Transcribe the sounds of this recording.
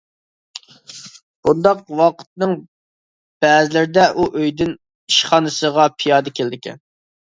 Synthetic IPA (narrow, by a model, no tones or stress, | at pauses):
b̥und̪ɑqwɑqʰə̥t̪̚nɨŋ | b̥ɛːzɪlɪɾɪd̪ɛʔuʔøjd̪ɪn | iʃχɑnɨsəʁɑpʰijɑːd̪ɨkʲʰeld̪ɪkʲʰɛ̰n